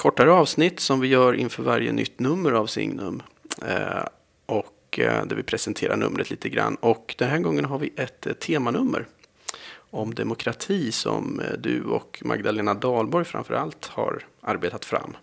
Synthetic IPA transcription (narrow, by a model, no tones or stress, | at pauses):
kʰɔʈːaɾəɑːvsnɪt̪ːsɔmvɪjœːɾɪnfœːɾvaɾjə̰nʏ̰t̪ːnɵmːəɾavsɪ̰ŋnɵm | ʔɔk | d̪æɾvɪpʰɾɛsɛnt̪ʰeːɾaɳɵ̰mːɾʔət̪liːt̪əɡɾa̰nːɔkd̪̥ɛnɦæːɾɡɔŋːənɦaɾvɪʔɛt̪ʰːeːmanɵmːəɾ | ɔmd̪ɛmʊkʰɾat̪ʰiːsɔ̰md̪ɵɔ̰kmʔa̰ɡd̪aleːnad̪ɑːlbɔɾjfɾa̰mfœɾʔalt̪haɾʔaɾbeːt̪at̪fɾa̰mː